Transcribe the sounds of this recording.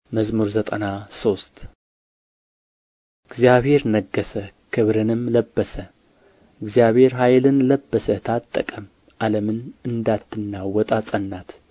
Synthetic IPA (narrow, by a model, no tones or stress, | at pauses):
məzmuɾzət̪ʼənaso̞st̪ | ɨɡzijaβhe̞ɾnəɡːəsəkʰɨβɾɨnɨmləbːəsə | ɨɡzijaβhe̞ɾɦajlɨnləbːəsət̪ʰat̪ʼːəkʼəm | ʔaləmɨnɨnd̪at̪ːɨnːawɔt̪ʼasʼənːat̪